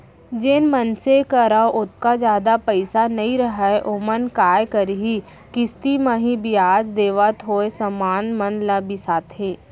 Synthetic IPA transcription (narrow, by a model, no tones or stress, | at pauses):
d͡ʒenmənsekəɾaːoʔʊt̪̚kad͡ʒjaːd̪apəɪsanɐɦĩɾəɦaeʔomənkaːjkəɾɦi | kɪst̪iməɦĩbiaːd͡ʒd̪eːʋat̪ʰɦoːesɐmaːnmɐnlabisaːt̪ɦeː